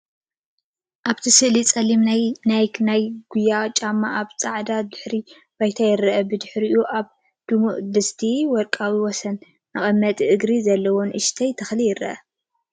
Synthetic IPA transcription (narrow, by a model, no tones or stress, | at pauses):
ʔaβt̪ʰisɨʔlit͡sʼɐlimnajnajɡ̥ujːat͡ʃʼamːaʔaβt͡sʼaʕd̪ad̪ɨħɾi | bajt̪ʰajɪɾɐʔɐbɨd̪ɨħɾiʔuʔaβ | d̪̥umuʔd̪ɨst̪ʰiwɔɾkʼawiwɔsɐn | aχʼɐmːɐt̪ʼiʔɨɡɾizɐlːɐwonʔɨʃt̪ʰɐjt̪ʰɐxlijɪɾɐ̰ʔɐ